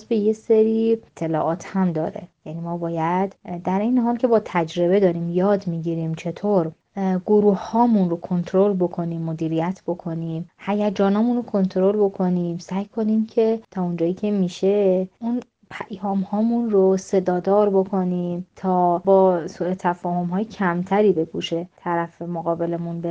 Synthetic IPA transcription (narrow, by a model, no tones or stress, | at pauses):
zbe̞jeseɾit̪ʰːe̞lɒ̰ːʔɒːt̪ʰhæmd̪ɒːɾe̞̰jænimɒːbɒːjæd̪̥d̪æɾʔe̞jneɦɒːlcʰe̞bɒːt̪ʰæd͡ʒɾe̞βe̞d̪ɒːɾiːmjɒːd̪miːɟiːɾiːmt͡ʃʰe̞t̪ʰoːɾ | ɡoɾuːhhɒːmunɾo̞kʰo̞nt̪ʰoɾo̞lbo̞kʰo̞niːmːod̪iːɾijæt̪ʰb̥o̞kʰo̞niːmhæjæd͡ʒɒːnɒːmunɾokʰo̞nt̪ʰɾo̞lbo̞kʰo̞niːmsæjkʰo̞nimcʰe̞t̪ʰɒːond͡ʒɒːjiːcʰe̞miːʃe̞un | pʰæʔhɒːmhɒːmunrose̞d̪ɒːd̪ɒːɾbo̞kʰo̞niːmt̪ʰɒːbɒːsuːe̞t̪ʰæfɒːho̞mɦɒːjecʰæmt̪ʰæɾiːbe̞ɡuːʃet̪ʰæɾæfemoɣɒːbe̞lemunbe